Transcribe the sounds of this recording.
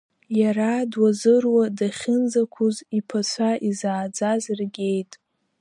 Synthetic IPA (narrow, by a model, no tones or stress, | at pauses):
jaɾadwazɨrwadaχʲɪnzakʷʰʊzipʰat͡sʷʰaʔizaːd͡zazrɡʲe̞jtʼ